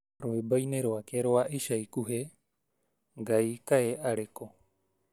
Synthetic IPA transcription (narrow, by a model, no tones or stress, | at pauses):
ɾoebajneɾoakeɾoaʔiʃajkuɦe | ɡajkaeʔaɾeko